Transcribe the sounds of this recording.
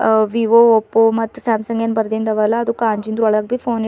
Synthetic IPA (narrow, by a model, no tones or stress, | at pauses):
ʋiʋoɔpːomɐt̪ːsaːmsɐŋɡenbɐɾd̪ind̪ɐʋɐlɐːd̪ukaːɲd͡ʒind̪ɾuɐɭɐɡ̚bipʰoːni